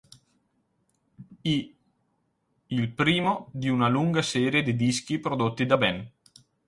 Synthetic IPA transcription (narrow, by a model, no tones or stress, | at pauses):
i | ilpɾiːmod̪iunaluŋɡasɛːɾjed̪id̪isk̟ipɾod̪ot̪ːid̪abɛn